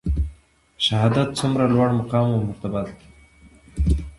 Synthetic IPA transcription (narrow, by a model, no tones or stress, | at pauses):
ʃaɦɑd̪at̪̚t͡sʊmɾalwaɽmaqɑmamʊɾt̪abat̪